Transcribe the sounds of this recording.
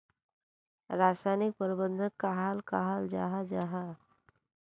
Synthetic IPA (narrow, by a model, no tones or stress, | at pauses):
ɾasajnik̚pəɾbənd̪ʱəkaɦalkaɦald͡ʒa̰ɦad͡ʒaɦa